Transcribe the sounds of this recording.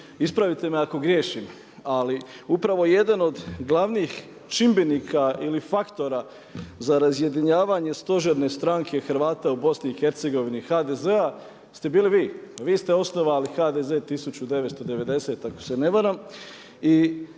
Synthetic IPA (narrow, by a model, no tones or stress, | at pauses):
ispɾaʋit̪e̞meako̞ɡɾje̞ːʃim | aliupɾaʋo̞je̞d̪ano̞d̪ɡlˠaʋniːx | t͡ʃimbe̞nikʰailifakt̪o̞ɾa | zaɾazje̞d̪iɲaːʋaɲe̞st̪o̞ʒeɾne̞st̪ɾaŋkʰe̞xɾ̩ʋaːt̪aubo̞sniːxe̞ɾt̪se̞ɡo̞ʋinixaːd̪e̞ze̞a | st̪e̞biːliʋiːʋiːst̪e̞o̞sno̞ʋalixaːd̪e̞ze̞t̪isut͡ɕud̪e̞ʋet̪st̪o̞d̪e̞ʋe̞d̪e̞se̞ːt̪ako̥se̞ne̞ʋaɾaːm | i